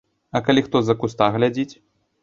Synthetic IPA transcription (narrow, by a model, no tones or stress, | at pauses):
ɐkalʲixt̪ɔzɐkust̪aɣlʲad͡zʲit͡sʲ